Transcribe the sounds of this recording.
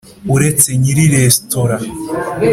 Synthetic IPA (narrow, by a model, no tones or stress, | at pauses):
uɾet͡seɲiɾiɾestoɾa